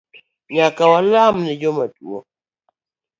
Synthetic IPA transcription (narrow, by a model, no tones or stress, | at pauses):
ɲakawalamnɛd͡ʒɔmatuɔ̰